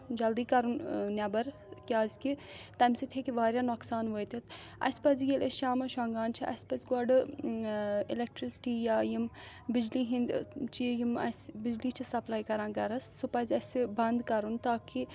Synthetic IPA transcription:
d͡ʒɐld̪iːkɐɾunnʲɐbɐɾ | kʲaːzʲkit̪ɐmsit̪ʰekiʋaːɾʲjaːnoːksaːnʋoːjt̪ʲit̪ʰ | ɐ̰spɐzjilʔɐʃaːmɐʃãːŋɡaːnt͡ʃʰiʔɐ̰spɐzʲɡɔɖ | ilek̚ʈɾisʈiːjajim | bid͡ʒliːɦĩnd̪ʲt͡ʃijimɐ̰sbid͡ʒliːt͡ʃʰisɐplaːjkɐɾãːnɡɐɾɐsːupɐzʲɐsbɐnd̪kɐɾunt̪aːki

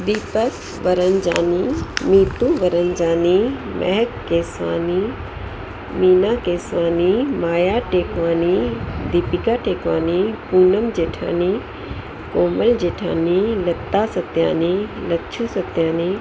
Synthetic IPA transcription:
d̪iːpək | ʋɐɾənd͡ʒaːnimiːt̪ũʋɐɾənd͡ʒaːnimʔɛ̰ɦɛkːeːsʋa̰ːni | miːnaːkeːsʋaːnimaːjaːʈeːkʋaːnid̪ipikaːʈeːkʋaːnipuːnəmd͡ʒeːʈʰa̰ːni | koːməld͡ʑeːʈʰa̰ːnilɐt̪ːaːsɐt̪ja̰ːnilɐtːt͡ʃʰuːsɐt̪jaːni

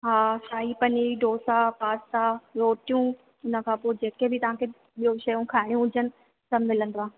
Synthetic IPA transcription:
ɦaːsaːɦipɐniɖʱoːsapaːsaɾoːʈijũ | ʊnə̆kʰãːpoːɪd͡ʑeːkebʱɪt̪ɐʋ̤ãːkʰe | ɓijoʃɐjũkʰaːɦɪɽ̃jũʊd͡ʑʱənɪ̆ | sɐmɪlə̃nd̪oãː

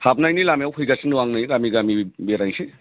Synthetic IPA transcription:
hapnajnilamijawhujɡasʰinduwaŋnajɡamiɡamibeɾajsi

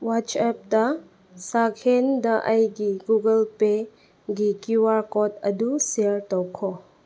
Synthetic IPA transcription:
wat͡ʃɛp̚ta | sakʰendɐʔɐjɡiɡuɡəlpe | ɡikiwaɾkɔtɐdusiəɾtɔwkʰɔ

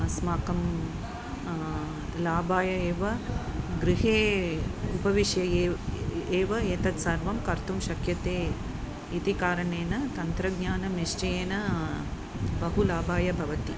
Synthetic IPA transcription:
smaːkɐm | laːbaːjɐeːʋɐɡɾɪɦeː | upɐʋiʃjɐːeːʋɐeːt̪ɐt̪sɐɾʋɐmkɐɾt̪umʃɐkjɐt̪eː | it̪ikaːɾɐneːnɐt̪ɐnt̪ɾɐɡɲaːnɐmiʂt͡ʃɐjeːnɐ | bɐɦulaːbaːjɐbʱɐʋɐt̪i

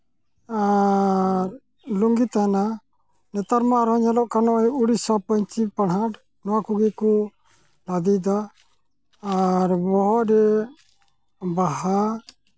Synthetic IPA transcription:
a | ɾ | luŋɡit̪ana | nɛt̪aɾmaʔɾɔɲɛlɔʔkanɔʔɔjuɽisapɔɲt͡ʃipaɽɦaɽ | nɔwakuɡiku | lad̪id̪a | ɾbɔɦɔʔɾɛ | baɦa

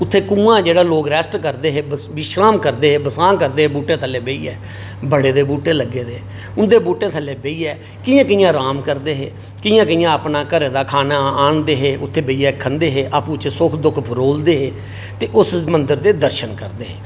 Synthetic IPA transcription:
ʊt̪ʰːeːkũːãːd͡ʒeːɽaːloːɡɾɛːsʈkəɾd̪eːɦeːʋɪʃɾaːmkəɾd̪eːɦeːbəsãːnkəɾd̪eːɦeːbuːʈẽːt̪ʰəlːeːbeḭːɛː | bəɽeːd̪eːbuːʈeːləɡːeːd̪eː | ʊnd̪eːbuːʈẽːt̪ʰəlːeːbeːiːɛː | kɪjãːkɪjãːɾaːmkəɾd̪eːɦeː | kɪjãːkɪjãːəpnaːkəɾeːd̪aːkʰaːnaːaːɳd̪eːɦeːʔʊt̪ʰːeːbeiːaːkʰːənd̪eːɦeːʔaːpũːt͡ʃsʊkʰd̪ʊkʰpʰɾoːld̪eːɦeː | t̪eːʔʊsmənd̪əɾd̪eːd̪əɾʃənkəɾd̪eːɦeː

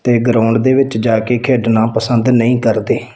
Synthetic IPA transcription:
t̪eːɡəɾaːʊɳɖd̪eːʋɪt͡ʃd͡ʒaːkeːkʰeːɖnãːpəsənd̪nəĩːkəɾd̪eː

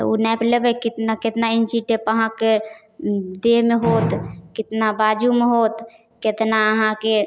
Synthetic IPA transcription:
t̪ṵnɛplebəkɪt̪nakɪt̪naɪnsiʈepəɦãke | d̪eɦmeɦoːt̪kɪt̪nabaːd͡ʒumeɦoːt̪ | ket̪naəɦãke

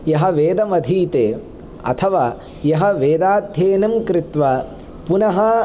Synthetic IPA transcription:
jɐɦɐ̆ʋeːd̪ɐmɐd̪ʱiːt̪eː | ɐ̰t̪ʰɐʋaː | jɐɦɐʋeːd̪aːd̪ʱjeːnɐmkɾɪt̪ʋɐ | punɐɦɐ

